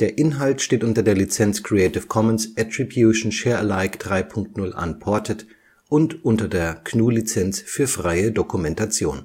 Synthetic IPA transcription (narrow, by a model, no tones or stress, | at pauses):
d̥eːɐʔɪnɦaltʃteːtʔʊntɐdeːɐlit͡sɛnt͡skʁ̥iɛɪtɪfkʰɔmənsʔɛtʁ̥ibjuʃn̩ʃeːɐʔəlaɪkd̥ʁaɪpʰʊŋk̚tnʊlʔa̰npʰɔɐtʰət | ʔʊntʔʊntɐdeːɐkʰnuːlit͡sɛnt͡sfyːɐfʁ̥aɪədokumɛntat͡sjo̰ːn